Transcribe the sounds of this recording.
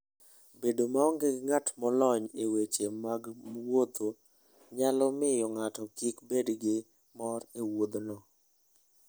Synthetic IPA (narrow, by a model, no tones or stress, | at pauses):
bedomaɔŋɡɪɡŋatmɔlɔɲewet͡ʃemaɡmwod̪o | ɲalɔmɪjɔŋatɔkikbedɡɪ | mɔɾewod̪nɔ